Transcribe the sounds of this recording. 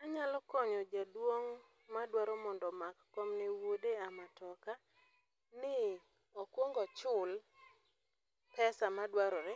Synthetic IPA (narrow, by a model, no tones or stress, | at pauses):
aɲalɔkɔɲɔd͡ʒadwoŋ | madwaɾɔmɔndɔmakːɔmnewodeamatɔka | nɪ | ɔkwoŋɡɔt͡ʃʊl | pɛsamadwaɾɔɾɪ